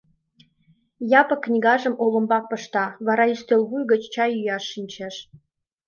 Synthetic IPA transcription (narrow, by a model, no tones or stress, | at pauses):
jɑpə̆kːnʲiɣɑʒə̆mʔolə̆mbɑk̚pə̆ʃt̪ɑβɑɾɑist̪elβujɣə̆t͡ɕt͡ɕɑjyjɑʃːinʲt͡ɕeʃ